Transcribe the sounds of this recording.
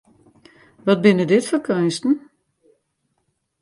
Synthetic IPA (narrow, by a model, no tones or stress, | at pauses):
ʋɔt̚bɪnədɪtfərkʰœnstn̩